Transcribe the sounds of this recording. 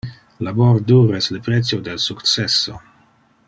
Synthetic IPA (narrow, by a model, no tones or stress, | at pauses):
laboɾduɾeslepɾetsodelsukt͡seso̰